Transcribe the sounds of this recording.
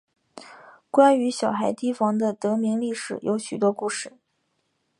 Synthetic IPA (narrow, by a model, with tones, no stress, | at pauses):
kwa˥ny˧˥ɕjɑ˨˩ʊxa˧˥ɪt̪i˥fɑ˧˥ŋd̪ə˧t̪ɤ˧˥mi˧˥ŋli˥˩ʂɻ̩˨˩jʔo˧˥ʊɕy˨˩t̪wɔ˥ku˥˩ʂɻ̩˥˩